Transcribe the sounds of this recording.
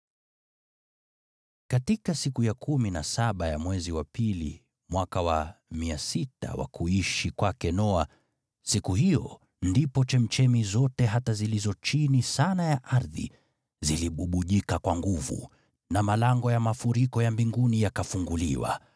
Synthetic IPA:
katikasikujakuminasaɓaja̰mwɛziwapilḭ | mwakawamiasita̰wa̰kʰuiʃikwakɛnɔa | sikuhijɔ̰ | ndipɔt͡ʃɛm̩t͡ʃɛmizɔtɛɦatazilizɔt͡ʃinisanajaʔaɾðḭ | ziliɓuɓuʄikakwaŋɡuvṵ | namalaŋɡɔjamafuɾikɔjambiŋɡunijakafuŋɡulḭwa̰

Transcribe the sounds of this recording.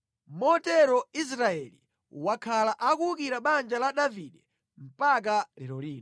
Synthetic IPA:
mɔtɛɾɔis̬ɾaɛlḭ | wakʰalaʔakuukiɾaɓand͡ʒalaɗaviɗɛ | m̩pak̬alɛɾɔliːn

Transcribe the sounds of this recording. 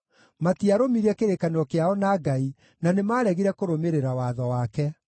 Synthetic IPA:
matiaɾomiɾɛkeɾekaneɾɔkeaɔnaɡai | nanemaːɾɛɣiɾɛkoɾomeɾeɾawaðɔwakɛ

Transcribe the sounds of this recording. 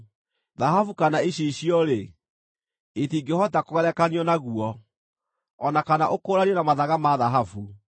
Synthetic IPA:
ðaɦafukanaeɕeiɕiɔɾe | etiːɡehɔtakoɣɛɾɛkaniɔnaɣuɔ | nakanaʔokoːɾaniɔnamaðaɣamaðaɦafu

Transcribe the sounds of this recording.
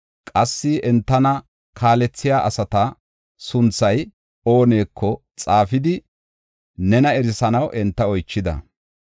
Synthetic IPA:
kʼɐsːɪʔɛnt̪ːɐnɐ | kʰaːlɛt͡sːɪjaːʔɐsɐt̪ɐ | sʊnt͡sːɐj | o̞ːne̞ːkʰːɔ | t͡sʼaːfɪd̪ɪ | nɛnɐɛɾɪsɐnɐwʔɛnt̪ːɐɔjt͡ʃːɪd̪ɐ̰

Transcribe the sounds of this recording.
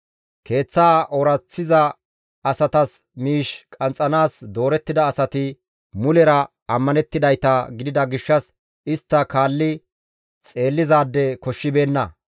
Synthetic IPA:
ke̞ːt͡sːaːʔɔɾɐt͡sːɪzɐ | ɐsɐt̪ɐs | miːʃkʼɐnt͡sʼːɐnaːsd̪o̞ːɾɛt̪ːɪd̪ɐːsɐt̪ɪ | mʊlɛɾɐ | ɐmːɐnɛt̪ːɪd̪ɐjt̪ɐɡɪd̪ɪd̪ɐɡɪʃːɐs | ɪst̪ːɐkaːlːɪ | t͡sʼe̞ːlːɪzaːd̪ːɛkɔʃːɪbe̞ːnːɐ

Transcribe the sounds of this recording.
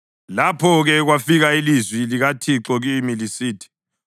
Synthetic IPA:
lapʰɔɣɛɣwafiɣailizwiliɣatʰiǁɔɣimilisiːtʰi̥

